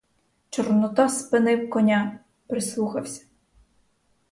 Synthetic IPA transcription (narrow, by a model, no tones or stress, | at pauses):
t͡ʃɔrnɔt̪ɑspɪnɪwkɔnʲa | pɾɪslˠuxɐwsʲɐ̥